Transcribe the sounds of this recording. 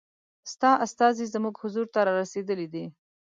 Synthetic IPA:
st̪ɑʔast̪ɑzizmuɡhʊzuɾt̪aɾɑɾased̪əlid̪i

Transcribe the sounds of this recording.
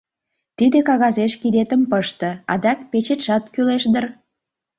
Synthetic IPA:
t̪id̪ekɑɣɑzeʃkid̪et̪ə̆mpəʃt̪ɤ̆ɑd̪ɑk̚pet͡ɕet̪ʃɑt̪kyleʃd̪ər

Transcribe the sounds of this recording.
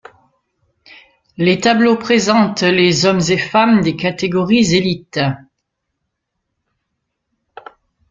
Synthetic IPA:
let̪ablopχezɑ̃t̪lezɔmzefamd̪ekat̪eɡɔʁizelit̪

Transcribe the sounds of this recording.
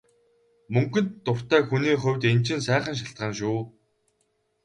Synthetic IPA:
mɵŋkɵ̆nt̪ːʊr̥t̪æːxuniːχʊ̟wʲt̪ent͡ɕɪ̆nsæːχə̆nʃ̬aɬt̪̚ɢăːnʃuː

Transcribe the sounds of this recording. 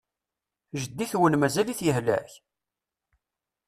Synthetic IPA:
ʒəd̪ːiθwənmæzæliθjəhlæ̰ç

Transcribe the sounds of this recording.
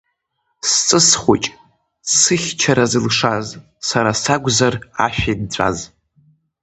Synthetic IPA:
st͡sʼɨsχʷot͡ʃʼ | sɨχʲt͡ʃʰaɾazɨlʂaz | saɾasaɡʷzara̰ʃᶣajd̚t͡ɕʷʰʼa̰z

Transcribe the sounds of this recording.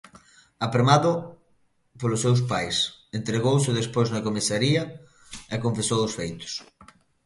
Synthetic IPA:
apɾemaðʊ | polʊsːews̬pajsent̪ɾeɣowsɪðespojznɐkomisaɾiɐ | ɛkõɱfesowʊsfejt̪ʊ̥s

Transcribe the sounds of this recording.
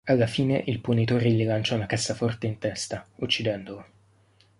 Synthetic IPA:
alːafiːneʔilpunit̪oːɾelːilant͡ʃaunakasːafɔrt̪eint̪ɛst̪aut͡ʃːid̪ɛnd̪olo

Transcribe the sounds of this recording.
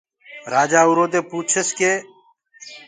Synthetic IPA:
ɾaːd͡ʒaːuɾoːd̪eːpuːt͡ʃʰeskeː

